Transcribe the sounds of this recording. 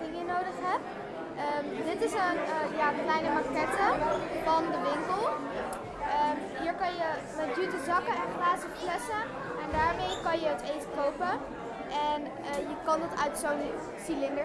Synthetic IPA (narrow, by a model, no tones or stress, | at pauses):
dɪŋənowdəχɦɛp̚ | əmdɪtɪsənjaːəklɛjnəmakɛtəfɑndəʋɪŋkəlˠ | əmɦiːɹkɑnjə | mɛtdytəzɑkənɛnχlaːzəflɛsə | ɛndaːɹmejkɑnjəətejfətowpə | ʔɛn | əjəkɑndɑtœɥtsown | silɪndə